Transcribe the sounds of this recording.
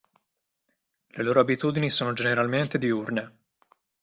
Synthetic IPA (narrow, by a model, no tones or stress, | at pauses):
leloːɾoabit̪uːd̪inisoːnod͡ʒeneɾalment̪ed̪iurne